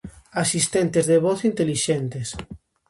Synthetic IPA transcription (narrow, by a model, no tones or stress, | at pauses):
asist̪ent̪ezðeβɔθint̪eliʃent̪es